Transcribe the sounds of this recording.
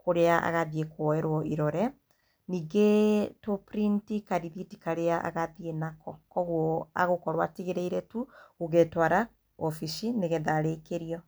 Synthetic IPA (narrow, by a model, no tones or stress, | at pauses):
koɾeaʔa̰ɣaðiekwɔɛɾwɔʔiɾɔɾɛ | niːɡetopɾintikaɾiðitikaɾeaʔa̰ɣaðienakɔkɔɣwɔa̰ɣokɔɾwatiɣeɾeiɾɛtuoɣetwaɾa | ɔfiʃineɣɛðaɾekeɾiɔ